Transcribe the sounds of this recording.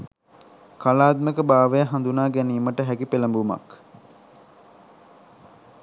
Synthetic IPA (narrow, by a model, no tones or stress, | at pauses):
kalaːd̪̚məkəbaːʋəjaɦand̪unaːɡæniːməʈəɦækipeləmbuma̰k